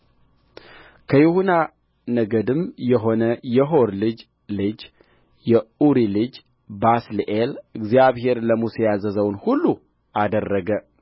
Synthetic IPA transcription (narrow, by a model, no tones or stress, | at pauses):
kʰəjɛhuna | nəɡəd̪ɨmjɛɦo̞nəjɛɦo̞ɾlɨd͡ʒ | lɨd͡ʒ | jɛuɾilɨd͡ʒ | basliʔelɨɡzijaβɦe̞ɾləmusejazəzəwnhulːu | ʔad̪ərːəɡə